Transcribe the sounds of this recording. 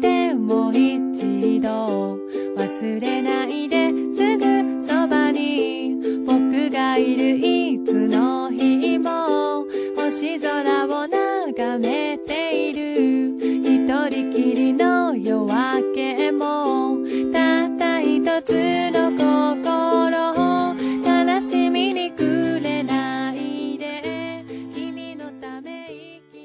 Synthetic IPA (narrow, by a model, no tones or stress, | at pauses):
d̪e̞moit͡ɕid̪o | βasɨɾe̞naid̪e̞sɨɡɯsobaɲ̟i | b̥o̞kɯ̟ɡaiɾɯ̟it͡sɨnoçiːmo | oɕizoɾabonaɡamet̪e̞iɾɯ̟çit̪oɾʲikʲiɾʲinojoβake̞mo | t̪at̪açit̪o̞t͡sɨnokokoɾoot̪anoɕimʲiɲ̟ikɯ̟ɾe̞naid̪e | kʲimʲinot̪ame̞i